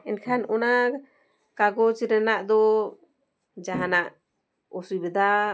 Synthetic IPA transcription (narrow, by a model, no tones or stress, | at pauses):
ɛnkʰanɔna | kaɡɔt͡ʃɾɛnaʔd̪ɔ | d͡ʒaɦanaʔ | ɔsujbɛd̪a